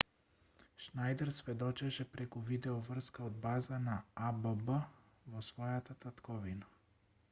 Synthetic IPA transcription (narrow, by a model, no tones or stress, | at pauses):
ʃnajd̪ɛɾsvɛd̪ɔt͡ʃɛʃɛpɾɛkuvid̪ɛovr̩skaod̪̚bazanaabəbə | vosvɔjat̪at̪at̪kɔvina